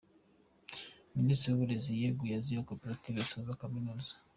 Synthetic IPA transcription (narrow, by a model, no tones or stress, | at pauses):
ministɾiuβuɾezijeɡujazijakopeɾativesaβakaminozḁ